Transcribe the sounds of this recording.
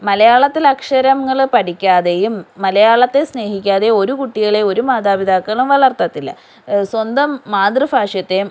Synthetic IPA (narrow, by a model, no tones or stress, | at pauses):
mɐlɐjaːɭɐt̪ːilɐkʂɐɾɐmːɐɭpɐʈikʲːaːðe̞jumːɐlɐjaːɭɐt̪ːe̞sne̞ːhikʲːaːðe̞o̞ɾukuʈːiɣɐɭeo̞ɾumaːd̪aːbid̪ʱaːkːɐɭumʋɐɭɐrt̪ɐt̪ːilːɐ̰ | swɐnd̪ɐmːaːd̪rɨbʱaːʂjɐt̪ːe̞